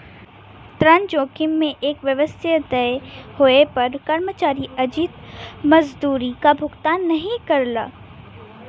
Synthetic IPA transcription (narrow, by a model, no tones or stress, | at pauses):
t̪ɾɐnd͡ʒoːkɪmːẽʔeːkʋjɐʋəst̪ʰjəd̪ɐehoepɐɾkɐɾmət͡ʃaːɾiɐd͡ʒiːt̪mɐzd̪uːɾikabʱʊɡt̪aːnːɐɦĩkɐɾla̰ː